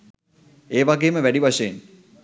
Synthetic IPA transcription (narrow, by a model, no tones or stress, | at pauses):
eːʋaɡeːməʋæɖiʋaʃeen